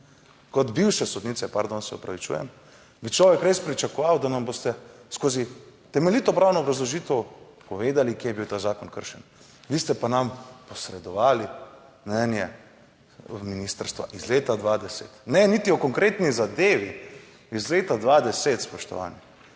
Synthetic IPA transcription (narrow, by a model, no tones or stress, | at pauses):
kɔd̪biwʃɛsɔd̪niːtsɛpaɾd̪onsɛɔ̰pɾaʋit͡ʃṵjɛ̰m | bit͡ʃlɔːʋɛkɾespɾit͡ʃakɔʋawd̪anamboːst̪ɛskoːzit̪ɛmɛlit̪ɔpɾaːwnɔːbɾazlɔʒiːt̪ɛw | pɔʋeːd̪alikjeːjɛbiwt̪aːzaːkɔnkə̰ɾʃɛn | ʋiːst̪ɛpanampɔsɾɛd̪ɔʋaːli | nɛnjɛ | minist̪əɾst̪ʋa̰ʔizleːt̪ad̪ʋad̪ɛsḛt̪nɛnit̪iɔkɔŋkɾeːt̪nizad̪eːʋi | izleːt̪ad̪ʋad̪ɛset̪spɔʃt̪ɔ̰ʋa̰ːnji